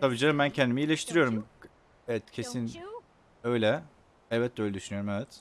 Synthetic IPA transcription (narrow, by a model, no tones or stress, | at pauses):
t̪ʰabid͡ʒaimbæncʰɛnd̪imiːlʲeʃt̪ʰiɾijo̞ɾum | ɛɛt̪cʰesin | øjlʲɛ | ɛlbɛt̪̚ːɛøjlʲɛd̪yʃynyjo̞ɾumɛvɛt̪